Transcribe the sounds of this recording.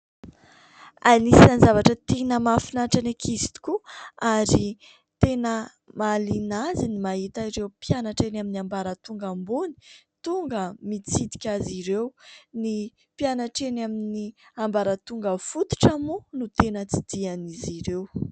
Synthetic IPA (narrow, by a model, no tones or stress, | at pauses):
anisanizavaʈ͡ʂət̪enəmafinaʈ͡ʂanekʰist̪i̥kuaɾi | t̪enə | malinazinimaɦit̪aiɾewpjanaʈ͡ʂenaminambaɾət̪uŋɡambuni̥t̪uŋɡəmit͡sid̪i̥kʲaziɾewni | pianaʈ͡ʂenaminiambaɾət̪uŋɡəfut̪u̥ʈ͡ʂamunut̪enət͡sid̪̥ianiziɾew